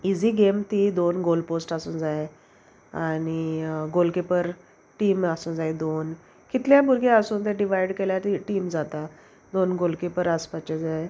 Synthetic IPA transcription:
id͡ziːɡemt̪id̪onɡolposʈasuːnd͡zae | añiɡolkipəɾ | ʈiːmasũːnd͡zaed̪on | kit̪ljabuɾɡeəsuːnt̪eɖiʋ̤ajiɽkeljat̪iʈiːmd͡zat̪a | d̪onɡolkepəɾaspat͡ɕed͡zae

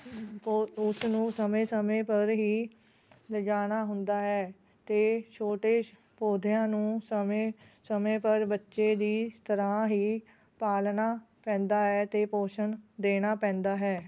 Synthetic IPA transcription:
pːʊsnũːsəmẽːsəmẽːpəɾɦiː | ləd͡ʒaːñaːɦʊnd̪aːɦɛː | t̪eːt͡ʃʰoːʈeː | poːd̪ʱjãːnũːsəmesəmẽːpəɾbətːʃeːd̪iːt̪əɾãːɦiː | paːlnaː | pɛ̃ːnd̪aːɦɛːt̪eːpoːʃənd̪eːnaːpɛ̃ːnd̪aːɦɛː

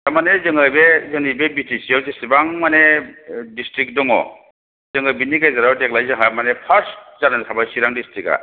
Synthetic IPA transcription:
tamanezɯŋɯjbezɯŋijbebitisijawzesibaŋmanedistɾik̚dɔŋɔ̰ | zɯŋɯbiniɡajzaɾawdek̚lajzɯŋɦamanepʰaɾszanatʰabajsiɾaŋdistɾika̰

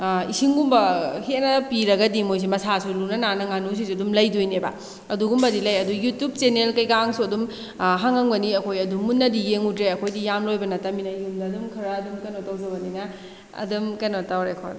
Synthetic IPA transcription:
isiŋɡumbɐhenɐpiɾɐɡɐdimojs̬imɐsasulunɐnanɐŋanus̬isuɐdumlɐjdujneba̰ | ɐduɡumbɐdilɐjɐdujutjub̚t͡ʃenelkɐjkaŋsuɐdum | ɦaŋaŋbɐniɐkʰojɐdumːunːɐdijeŋutɾeɐkʰojdijamlojbɐnɐtɐminɐjumdɐɐdumkʰɯɾɐːdumkɐnotawzɐbɐninɐ | ɐ̰dɐmkɐnotawɾekʰo̰n

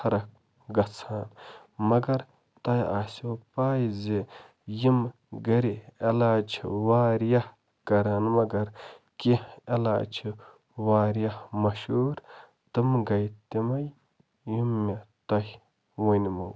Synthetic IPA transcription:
ɐɾɐk̚ | ɡɐt͡sʰaːn | mɐɡɐɾ | t̪ɐja̰ːsopaːjzi | jim | ɡɐɾielaːt͡ʃʰiwaːɾjɐh | kɐɾɐnmɐɡɐɾ | kiela̰ːt͡ʃʰi | waːɾjɐhmɐʃuːɾ | t̪ɨmɡɐjt̪imɐj | jimːit̪ɐj | wunmɐw

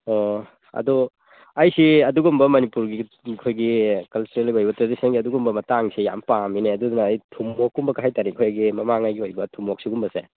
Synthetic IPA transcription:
ɔ | ɐ̰du | ɐjsiɐduɡumbɐmɐnipuɾɡi | kʰojɡikɐlt͡ʃuɾeliojbɐtɾadisɐnɡiɐduɡumbɐmɐtaŋsija̰mpamineɐdudunɐːjtʰumːɔkːumbɐkaɦajtaɾikʰojaɡimɐmaŋajɡiojbɐtʰumːok̚siɡumbɐsḛ

